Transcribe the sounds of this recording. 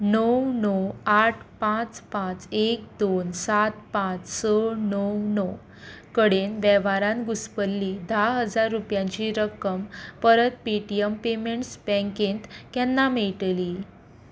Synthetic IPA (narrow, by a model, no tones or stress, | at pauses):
nəwnɔaʈʰpãt͡spãt͡sek̚d̪onsat̪pãt͡ssənəwnɔw | kəɽenʋɛʋaɾãnɡuspəlːid̪ʱaɦəd͡zaɾːupjãɲt͡ɕiɾəkəmpəɾət̪̚piʈiəmpemeɳʈsbɛ̃ŋkent̪kjɛnːameɭʈ̪li